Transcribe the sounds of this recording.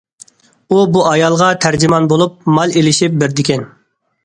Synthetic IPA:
ubuʔɑjɑlˠʁɑt̪ʰæɾd͡ʒimɑnbolˠup̚mɑlˠelɪʃip̚bɪɾd̪ɪkʲʰɛn

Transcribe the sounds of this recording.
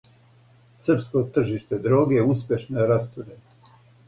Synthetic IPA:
sr̩pskot̪r̩ʒiʃt̪e̞d̪ɾoːɡeuspʲje̞ʃnojeɾast̪uɾe

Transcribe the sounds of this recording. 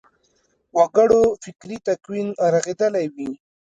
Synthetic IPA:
waɡəɽofɪkɾit̪akwinɾaɣed̪əlajwi

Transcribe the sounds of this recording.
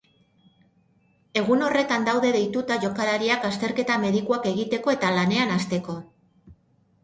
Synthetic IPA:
e̞ɣ̞uno̞re̞t̪and̪awðe̞ðe̞jt̪ut̪aʝo̞kaɾaɾiakast̪e̞ɾke̞t̪ame̞ðikuake̞ɣit̪e̞ko̞e̞t̪alane̞anast̪e̞ko̞

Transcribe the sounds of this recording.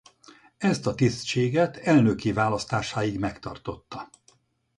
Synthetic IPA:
ɛst̪ɒt̪ist͡ʃeːɡɛt̪ʰɛlnøkivaːlɒst̪aːʃaːjiɡmɛkt̪ɒ̰rt̪o̞t̪ːɒ

